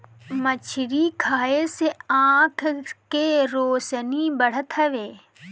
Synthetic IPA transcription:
mət͡ʃʰɪɾikʰaːeseãːkʰkeɾoːsnibəɽ̤ət̪ʰɦəʋeː

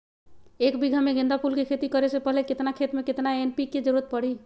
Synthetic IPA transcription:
ekbʱiɡʱəmeɡʱẽnd̪apulkekʰet̪ikəɾesepəɦleket̪nakʰet̪meket̪naenpiked͡ʒəɾuɾət̪̚pəɽ̤i

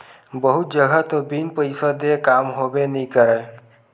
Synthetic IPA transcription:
bəɦʊt̪̚d͡ʒəɡʱat̪obinpəɪsəd̪ekaːmɦobenəĩkəɾaː

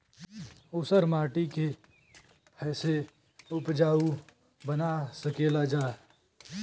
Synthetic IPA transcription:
ʊsəɾmaːʈike | pʰɛːse | ʊpd͡ʒaːu | bənasəkeːlad͡ʒaː

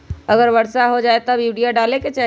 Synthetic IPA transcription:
əɡəɾʋəɽsaɦod͡ʒaːet̪əbuɖijaɖaːleket͡ʃɛɦ

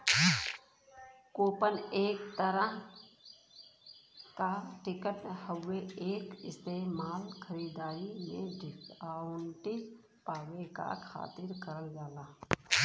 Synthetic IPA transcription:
koːpəneːk̚t̪əɾəɦ | kaʈɪkəʈhəwːeeːkɪst̪eːmaːlkʰəɾiːd̪aːɾimḛ̃ɖʱɪkaːʊɳʈi | paːweka̰kʰa̰ːt̪ɪɾkəɾəld͡ʒaːlaː

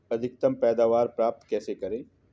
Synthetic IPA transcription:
ɐd̪ʱɪk̚t̪ɐmpɛːd̪aːʋaːɾpɾaːp̚t̪kɛːsekɐɾẽː

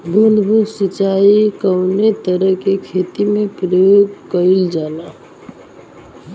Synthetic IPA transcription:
bʱunbʱunsit͡ʃaikəwnet̪əɾəɦkekʰet̪imepɾəjjoɡkəɪld͡ʒala

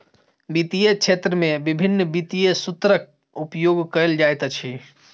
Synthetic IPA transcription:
bit̪ijet͡ʃʰet̪ɾəmebibʱinːbit̪ijesut̪ɾək̚ | upjoɡkəld͡ʒajt̪t͡ʃʰi

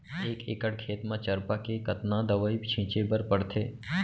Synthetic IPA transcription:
eːkḛːkəɽkʰeːt̪mãt͡ʃəɾpakekət̪nãd̪əʋəibt͡ʃʰɪ̃ːt͡ʃebəɾpəɽt̪ʰeː

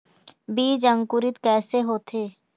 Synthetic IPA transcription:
biːd͡ʒə̃ŋkʊɾɪt̪kɛːseɦoːt̪ʰeː

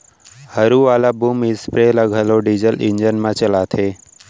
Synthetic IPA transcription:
həɾuʋaːlabuːmɪspɾeləɡʱəloɖizəlʔɪnd͡ʒənmãt͡ʃəlat̪ʰeː

